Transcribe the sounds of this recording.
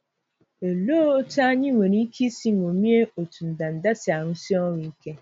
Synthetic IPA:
e˨lo˦ta˦ɲɪ˦ŋʷe˨ɾi˦kʰi˦si˦ŋ˨o˨mi˦e˦o˨tu˨n̩˨da˨n̩˨da˦tɪ˨a˨ɾʊ˦si˦ɔ˦ɾi˨i˦ke˦

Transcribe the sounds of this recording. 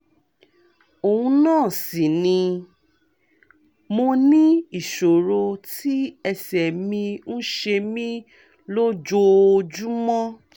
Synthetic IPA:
o˨hũ˧nãː˦˨si˨nĩ˧ | mo˧nĩ˦i˦˨ʃo˨ɾo˧tʰi˦ɛ˧sɛ˨mĩ˧ñ̩˦ʃe˧mĩ˦ | lo˦d͡ʒo˧o˧d͡ʒu˦mɔ̃˦

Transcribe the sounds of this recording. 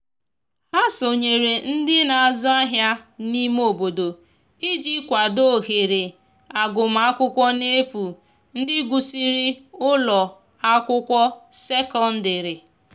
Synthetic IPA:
ha˦so˨ɲe˨ɾe˨n̩˦dɪ˦na˨a˨zɔ˦a˦ɦja˦ni˦m˦o˨bo˨do˨ | i˦d͡ʒi˦kʷa˨do˦ɦe˨ɾe˨ | a˨ɡʊ˨m̩˨a˦kʷʊ˦kʷɔ˦ne˦fu˨ | n̩˦dɪ˦ɡʷu˨si˦ɾɪ˦ʊ˦lɔ˨ | a˦kʷʊ˦kʷɔ˦se˦kɔ˦n̩˦dɪ˨ɾɪ˨

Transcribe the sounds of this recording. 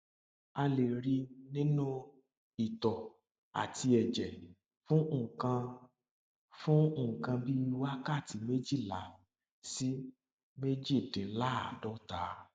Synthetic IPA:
a˧le˨ɾi˧nĩ˦nũ˦ | i˨tɔ˨ | a̰˨ti˧ɛ˨d͡ʒɛ˨ | fũ˦˨kã˧ | fũ˦ũ˦˨kã˧bi˦˧wa˦ka˦˨ti˧me˦d͡ʒi˦˨la˨˦ | si˦ | me˦d͡ʒi˦˨dĩ˨˦la˦a̰˨dɔ˨˦ta˨˦

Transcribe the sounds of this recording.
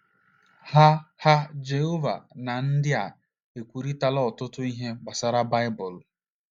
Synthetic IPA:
ha˦ha˦d͡ʒe˨ɦo˦va̰˨na˨n̩˦dɪ˦a̰˨ | e˨kʷu˨ɾi˦ta˦lɔ˦ɔ˨tʊ˦tʊ˦i˦ɦe˦ɡ͡ba˨sa˦ɾa˦ba˦ɪ˦bʊ˨l

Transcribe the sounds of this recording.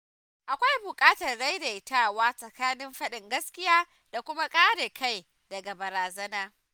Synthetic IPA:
ʔa˨kʷa˦jbʊ˨kʼaː˦tɐ˨rɽa˦jde˨ɪtaː˦waː˦sʼɐ˨kaː˦nɪ˦mɸɐ˦ɗɪ˨ŋɡɐ˦skʲɪ˦jaː˦ | d̥a˨kʷʊ˦ma˦kʼaː˦ɽeː˨kʰa˦˨j | dɐ˨ɡa˨bɐ˨ɾaː˨zɐ˦naː˦

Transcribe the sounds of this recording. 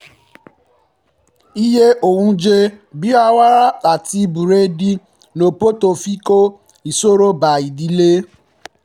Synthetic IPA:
i˦je˦ʔo˨hũ˧d͡ʒe˧bi˦a˧wa˦ɾa˦a˨ti˧bu˨ɾe˦di˧ | no˨po˦to˧˨fi˦ko˦ | i˨so˦ɾo˦ba˨i˨di˨le˦

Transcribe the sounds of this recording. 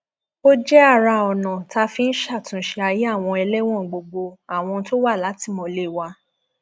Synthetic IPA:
o˦d͡ʒɛ˦a˦˨ɾa˧ɔ˨nã˨ta˧fi˧n̩˦ʃa˦˨tũ˨ʃe˧a˧ji˨˦a˦˨w̃ɔ̃˧ɛ˧lɛ˦w̃ɔ̃˦˨ɡ͡bo˧ɡ͡bo˧a˨w̃ɔ̃˧to˦wa˦˨la˨˦ti˦˨mɔ̃˨˧le˦˨wa˧˦

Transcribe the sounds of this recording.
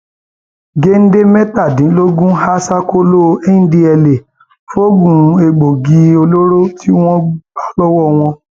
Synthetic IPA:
ɡe˦n̩˦de˦mɛ˦ta˦˨dĩ˨˦lo˦ɡũ˦ha˦sa˦ko˦lo˦˧˨ẽ˦di˧ɛ˧le˨ | fo˦ɡũ˨˦e˧ɡ͡bo˨ɡi˧˦o˧lo˦ɾo˦ti˦w̃ɔ̃˦ɡ͡ba˦lɔ˦wɔ˦˨w̃ɔ̃˧

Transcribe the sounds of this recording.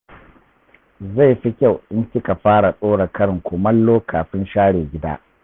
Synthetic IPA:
za˦˨jɸi˦kʲa˦˨wʔɪ˦ŋkʲɪ˦ka˨ɸaː˦ɽa˨sʼoː˦ɽa˨kɐ˦ɽɪ˨ŋkʷoː˨mɐ˦lːoː˦kʰaː˨ɸɪ˦nʃaː˦ɽeː˨ɡʲɪ˦da̰ː˦

